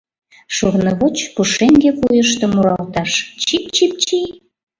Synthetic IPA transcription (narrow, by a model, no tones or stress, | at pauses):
ʃoɣnɤβot͡ɕpuʃeŋɡekujəʃt̪ɤ̆muɾɑlt̪ɑʃt͡ɕip̚t͡ɕip̚t͡ɕij